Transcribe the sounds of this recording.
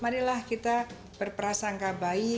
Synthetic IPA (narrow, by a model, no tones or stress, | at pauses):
manilahkit̪a | b̥ərpəɾasaŋkabai